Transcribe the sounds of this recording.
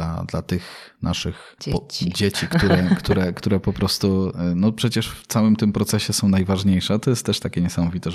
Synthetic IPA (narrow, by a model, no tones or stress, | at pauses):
a̰d̪la̰t̪ɘxnʔa̰ʂɘx | pd͡ʑet͡ɕikt̪uɾɛkt̪uɾɛkt̪uɾɛpɔpɾɔst̪unɔpʂɛt͡ɕɛʂft̪sawɘmt̪ɘmpɾɔt̪sɛɕɛsɔ̃w̃najvaʐɲejʂɛt̪ɔjɛst̪ːɛʂt̪akʲɛɲɛsamɔvʲit̪ɛ